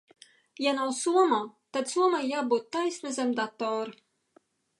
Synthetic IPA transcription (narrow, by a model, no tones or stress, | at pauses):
janawsuɔmat̪ad̪suɔmajaːbut̪ːajsʲnazʲɛmd̪at̪ːɔːɾ